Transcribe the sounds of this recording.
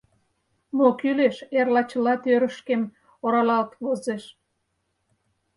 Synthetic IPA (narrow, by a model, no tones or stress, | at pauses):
mokyleʃerlɑt͡ɕəlɑt̪øɾəʃkem | oɾɑlɑlt̪βozeʃ